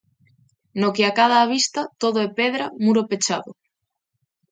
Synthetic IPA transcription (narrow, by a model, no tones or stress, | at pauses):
nokeakað̞aːβ̞ist̪at̪oðoepeðɾamuɾopet͡ʃa̰ðo